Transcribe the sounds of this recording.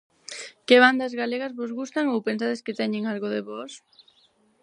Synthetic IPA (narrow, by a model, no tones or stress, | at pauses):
keβand̪azɣaleɣazβozɣust̪aŋowpensaðeskɪt̪ɛɲeŋalɣoðeβɔs